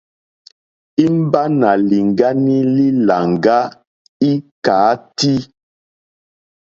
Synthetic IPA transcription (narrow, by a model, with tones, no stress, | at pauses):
i˦m˦ba˦na˨li˨ŋɡa˦ni˦li˦la˨ŋɡa˦ | i˦kaː˨˦ti˦